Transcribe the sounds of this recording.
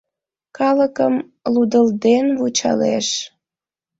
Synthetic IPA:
kɑləkəm | lud̪əld̪enβut͡ɕɑ̰lḛʃ

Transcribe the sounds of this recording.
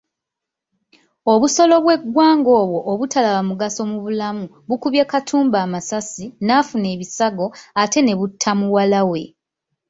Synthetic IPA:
o̞βuso̞lo̞βwe̞ɡːwaːŋɡo̞ːβwo̞ʔːβutʰalaβamuɡaso̞muβulamu | βukuβjekatʰuːmbaːmasasinafune̞ːβisaɡo̞ate̞ne̞βutʰːamuwalawe̞

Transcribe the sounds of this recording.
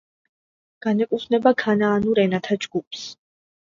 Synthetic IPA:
ɡ̥anɛkʼupʰnɛbakʰanaːnuɾɛnat̪ʰad͡ʒɡ̥upʰs

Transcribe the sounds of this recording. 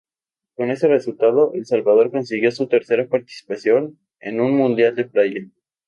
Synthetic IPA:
ko̞ne̞se̞result̪aðo̞ʔelsalβaðo̞ɾko̞nsiɣjo̞sut̪e̞ɾse̞ɾapaɾt̪i̥si̥pasjo̞n | ḛnunmũnd̪jald̪e̞plajen

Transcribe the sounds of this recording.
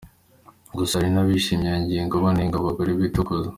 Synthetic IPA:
ɡusaɾinaβiʃimɲaɲɟieŋɡoβaniŋɡaβoɡoɾiβitukoza

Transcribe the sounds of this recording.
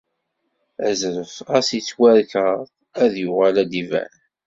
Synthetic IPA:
æzɾəfæsit͡sːwæɾkəˤ | æðjʊʁalæd̪ivæ̰n

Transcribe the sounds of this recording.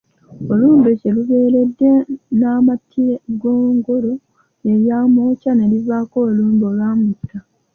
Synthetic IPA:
o̞luːnbuce̞luβe̞ːɾe̞dːe̞naːmatʰːieɡoːŋɡoɾo | eɾjaːmoːcane̞livaːko̞ːluːmboːlwaːmutːa

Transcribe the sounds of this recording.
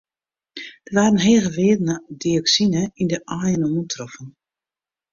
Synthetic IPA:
d̥əʋaːɾən̩ɦeːəɣəʋɪːədənədiɔksinəindəʔaːjənomuntʰrɔfən

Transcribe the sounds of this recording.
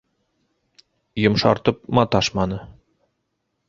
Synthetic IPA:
jŏmʃɑ̰ɾt̪ɤp̚mɑt̪ɑʃmɑnɤ

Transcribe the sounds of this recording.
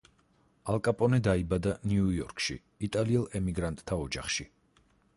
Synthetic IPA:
alˠkʼapʼɔnɛd̪aibad̪aniujɔɾkʼʰʃḭ | it̪ʼaliɛlˠɛmiɡɾant̪ʼt̪ʰaɔd͡ʒa̰χʃi

